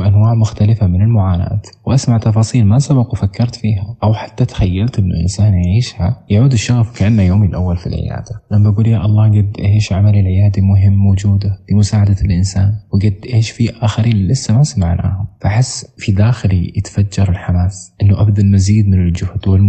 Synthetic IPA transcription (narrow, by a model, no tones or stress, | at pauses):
ʔanwaːʕmʊxt̪alɪfamɪnɪlmʊʕaːna̰ːt̪wʔasmaʕt̪ɑfɑːsˤiːlmasabaqwɪfakːɑɾˤt̪fiːɦaʔawħḁt̪ːat̪ḁxajːalt̪ʔɪnːʊ̰ʔɪ̰nsaːnjaʕiːʃhajaʕuːd̪ɪʃːaɣfkaʔanːajoːmilʔa̰wːalfḭlʕɪ̰ja̰ːd̪̥aʔamːabaɡuːljaʔɑlˤːɑːɡad̪ːʔaeːʃʕamalilʕɪjaːd̪amʊɦɪmːowd͡ʒuːd̪afimʊsaːʕad̪alʔɪnsaːnwɪɡɪd̪ːʔeːʃfiʔaːxaɾiːnɪlɪsːamasamaʕnʔa̰ːhʊmfaʔaħɪsːfid̪aːxɪlijɪt̪ḁfad͡ʒːɑɾˤɪlħamaːsʔɪnːʊʔab̚d̪almaziːd̪mɪnɪld͡ʒʊhd̪wɪl